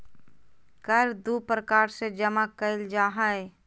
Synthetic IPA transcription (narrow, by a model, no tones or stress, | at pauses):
kəɾd̪upɾəkaːɾsed͡ʒəmakəɪld͡ʒaːɦae